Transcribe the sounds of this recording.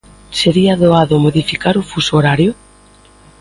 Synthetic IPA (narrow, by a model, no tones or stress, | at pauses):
seɾiaðoaðomoðifikaɾʊfusoɾaɾjo